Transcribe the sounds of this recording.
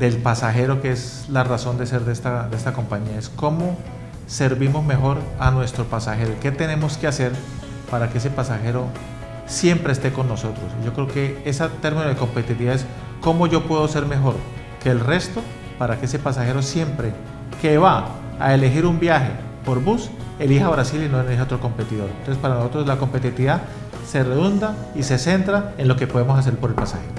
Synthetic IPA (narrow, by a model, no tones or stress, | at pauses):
d̪e̞lpasaxe̞ɾo̞kees | laraso̞nd̪e̞se̞ɾd̪est̪ad̪eest̪ako̞mpaɲiaesko̞mo̞ | se̞ɾβimo̞zme̞xo̞ɾanwe̞st̪ɾo̞pasaxe̞ɾoike̞t̪e̞ne̞mo̞skease̞ɾ | paɾakee̞se̞pasaxeɾo̞ | sje̞mpɾe̞ːst̪e̞ko̞nːoso̞t̪ɾo̞siʝo̞kɾe̞oke̞esat̪eɾminoðeko̞mpe̞t̪it̪iβaes | ko̞mo̞ʝo̞pwe̞ðose̞ɾme̞xo̞ɾ | ke̞ːlre̞st̪o̞ | paɾakeese̞pasaxe̞ɾo̞sje̞mpɾe̞ | ke̞βa | a̰ele̞xiɾumbjaxe̞ | po̞ɾbus | e̞lixaβɾasilinoeliheot̪ɾoko̞mpe̞t̪iðo̞ɾnt̪osespaɾanosot̪ɾoslako̞mpet̪it̪iiða | se̞reðund̪a | ise̞se̞nt̪ɾaenlo̞ke̞po̞ðemos̬as̬e̞ɾpo̞ɾe̞lpasa̰xeɾo